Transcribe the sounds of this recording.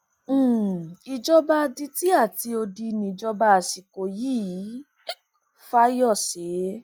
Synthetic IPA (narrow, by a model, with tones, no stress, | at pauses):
i˧d͡ʒɔ˦ba˧di˧ti˦a˦˨ti˧o˧di˧nĩ˧˨d͡ʒɔ˧ba˧a˨si˨ko˨jiː˦˨˦ | fa˦jɔ˦˨se˨˦